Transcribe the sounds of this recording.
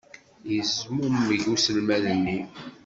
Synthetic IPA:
jəzmumːəʝusəlmæðənːi

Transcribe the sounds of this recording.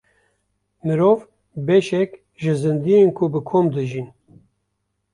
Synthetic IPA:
mɨɾoːv | bɛʃɛk | ʒɨzɨnd̪ijenkʰubɨkʰomd̪ɨʒin

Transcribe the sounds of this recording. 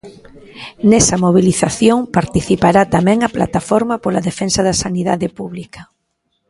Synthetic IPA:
nɛsɐmoβ̞iliθaθjoŋpaɾt̪iθipaɾat̪amɛ̃ŋɐpla̰t̪afɔɾmɐpolɐðefɛnsɐðɐsaniða̰ðɪpuβlikɐ

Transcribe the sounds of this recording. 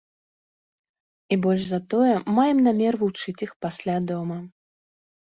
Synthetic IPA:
ibɔlʲʐzɐt̪ɔjɛmajɛmnamʲɛrvut͡ʂɨt͡sʲixpasʲlʲad̪ɔmɐ

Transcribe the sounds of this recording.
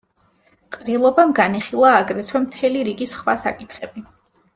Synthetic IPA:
qʼɾilˠɔbamɡaniχilˠaːɡɾɛt̪ʰwɛmt̪ʰɛliɾiɡisχwa̰sa̰kʼit̪ʰχɛb̥i

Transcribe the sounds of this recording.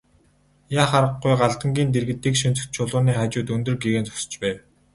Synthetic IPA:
jaːχaɾə̆ɢujɢaɮt̪ə̆ŋɡʲiːnt̪̬erɣɘ̆t̪ːiːkʃint͡sɘ̆kt̪t͡ɕʰʊɮʊːniːχaːt͡ɕʊːt̪ɵnd̪ɵ̆rɡeɣeːnt͡sʊ̥s̆t͡ɕpæːw

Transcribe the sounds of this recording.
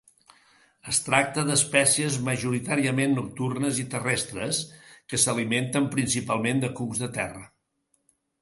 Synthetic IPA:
əst̪ɾak̚t̪əðəspɛsiəzməʒuɾit̪aɾiəmenːuk̚t̪urnəzit̪ərɛst̪ɾəskəsəliment̪əmpɾinsipalˠmend̪əkukzðət̪ɛrə

